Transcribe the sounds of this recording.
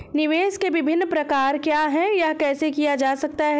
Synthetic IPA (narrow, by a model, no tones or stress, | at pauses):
nɪʋeːskeʋɪbʱɪnːpɾɐkaːɾkjaːɦɛjakɛːsekijad͡ʒaːsɐk̚t̪aɦɛ